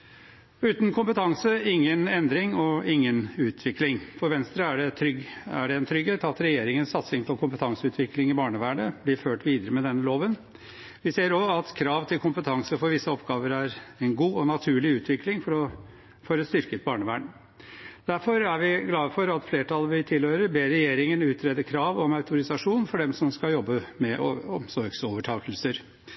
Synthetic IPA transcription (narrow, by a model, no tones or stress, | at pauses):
ʉːt̪nkʰʊmpət̪ʰɑŋsəɪŋːənɛnd̪ɾɪŋɔɪŋːənʉːt̪ʰʋɪklɪŋfɔɾʋɛnst̪ɾəæɖɛt̪ʰɾʏɡæ̰ɖɛɛnt̪ʰɾʏɡheːt̪ɑt̪ɾɛjeːɾɪŋənsɑt̪sɪŋpʰɔkʰʊmpət̪ʰɑŋsəʉːt̪ʰʋɪklɪŋɪbɑːɳəʋæːɳəb̥lɪɾføːʈʋiːd̪əɾəmɛd̪ɛnːəloːʋən | ʋɪseːəɾɔɑt̪kʰɾɑːʋt̪ʰɪlkʰʊmpət̪ʰɑŋsəfɔɾʋɪsːəɔpɡɑːʋəɾæɾɛnɡuːɔnɑt̪ʰʉːɭɪʉːt̪ʰʋɪklɪŋfɔɾɔ | føɾəst̪ʏɾkət̪̚bɑːɳəʋæːɳ | d̪̥æɾfɔɾæɾʋɪɡlɑːfɔɾɑt̪fleːʈʰɑləʋɪt̪ʰɪlhøːɾəɾbeːɾɛjeːɾɪŋənʉːt̪ʰɾɛd̪əkʰɾɑːʋɔmɑʉt̪ʊɾɪsɑʂuːnfɔɖɛmsɔmskɑljɔbːəmɛʔɔmsɔɾɡsoːʋəʈʰɑːkəlsəɾ